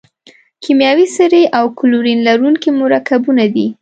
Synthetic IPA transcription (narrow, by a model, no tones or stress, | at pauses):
kʰimjɑwisəɾeʔawkʊluɾinlaɾuŋkimuɾakabunad̪i